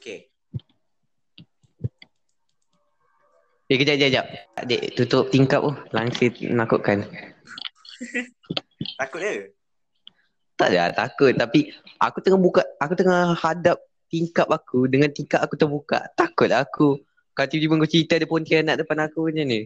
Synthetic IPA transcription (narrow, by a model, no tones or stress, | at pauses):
oke | bekəd͡ʒaʔd͡ʒad͡ʒap̪̚a̰ʔdḛʔt̪ut̪ʊʔ̚t̪iŋkap̚ohlaŋsənakʊʔkan | t̪akʊt̪̚ə | t̪a̰ʔda̰t̪a̰kʊt̪ːapiʔa̰kut̪əŋabukaʔakut̪əŋahhadap̚ | t̪iŋkap̚akudəŋant̪iŋkaʔakut̪əhbuka̰ʔt̪akʊt̪̚aaku | kalat̪idiməŋkot͡ʃit̪adəpont̪ianaʔdəpanakuɲəni